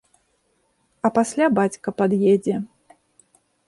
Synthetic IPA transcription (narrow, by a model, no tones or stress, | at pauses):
ɐpasʲlʲabat͡sʲkɐpad̪jɛd͡zʲɛ